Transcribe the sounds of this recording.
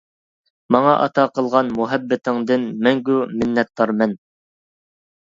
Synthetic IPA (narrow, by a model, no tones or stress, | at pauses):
mɑŋɑʔɑ̰t̪ʰɑqʰəlˠʁɑnmuɦɛbːɪt̪ʰɪŋd̪ɪnmɛŋɡʲumɪnːɛt̪ːɑɾmɛn